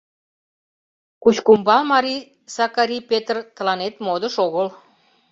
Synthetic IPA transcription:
kut͡ɕkumbɑlmɑɾi | sɑkɑɾipet̪rt̪əlɑnet̪mod̪əʃoɣəl

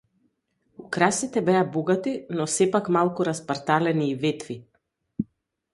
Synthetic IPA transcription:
ukɾasit̪ɛbɛabɔɡat̪inɔsɛpakmalˠkuɾaspaɾt̪alɛniːvɛt̪vi

